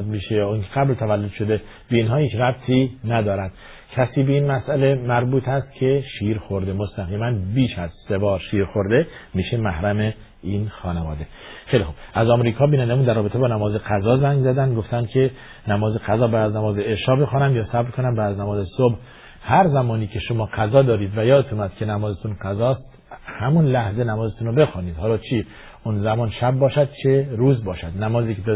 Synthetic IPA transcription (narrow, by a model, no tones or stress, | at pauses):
d̪̚miːʃejɒːinkʰeɡæblt̪ʰævælːod̪ʃod̪e | beiːnɦɒːhiːt͡ʃɾæb̚t̪ʰiːnæd̪ɒːɾæd̪̥ | cʰæsiːbeiːnmæsʔæle̞mæɾbuːt̪ʰhæst̪kʰe̞ʃiːɾxoɾd̪emost̪ʰæɣiːmænbiːʃæzsebɒːɾʃiːɾxoɾd̪e̞miːʃemæhɾæme | iːnxɒːnevɒ̰ːd̪exejlixub̥ʔæzɒːmɾiːkʰɒːbiːnænd̪æmund̪æɾrːɒːbet̪ʰe̞bɒːnæmɒːzeqæzɒːzæŋɡzæd̪ænd̪ɡoft̪ænd̪̚kʲʰe̞ | næmɒːzeqæzɒːbæːd̪æznæmɒːzeeʃɒːbe̞xɔːnæmjɒːsæbɾkʰonæmbæːd̪æznæmɒːzesobh | hæɾzæmɒːniːkʲʰe̞ʃomɒːqæzɒːd̪ɒːɾiːd̪væjɒːd̪et̪ʰuːmæd̪kʰe̞næmɒːzet̪unqæzɒːst̪ | hæmunlæhze̞næmɒːzet̪ʰunobe̞xɒːniːd̪̥hɒːlɒːt͡ʃʰi | unzæmɒːnʃæb̚ːɒːʃæd̪̚t͡ʃʰeɾuːzbɒːʃæd̪næmɒːziːkʰe